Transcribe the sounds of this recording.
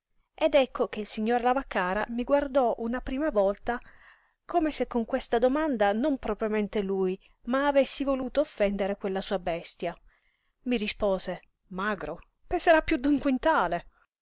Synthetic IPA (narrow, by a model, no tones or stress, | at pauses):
ed̪ɛkʰːok̟eilsiɲːoːɾlavakːaːɾamiɡward̪ɔʔunapɾiːmavɔlt̪a | koːmesekːoŋkwest̪ad̪omand̪anompɾɔpɾjoment̪eluj | maːvesːivoluːt̪oːfːɛnd̪eɾekwelːasuːabɛst̪ja | mirispoːze | maɡɾo | penseɾapːjud̪uŋkwint̪aːle